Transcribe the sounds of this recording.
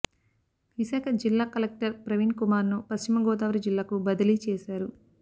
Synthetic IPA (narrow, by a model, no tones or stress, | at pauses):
ʋisaːkʰɐd͡ʒilːaːkɐlek̚ʈɐɾpɾɐʋinkumaːɾnupɐst͡ʃimɐɡɔːt̪aːʋɐɾid͡ʒilːaːkubɐd̪ɐlit͡ʃɛːʃaːɾu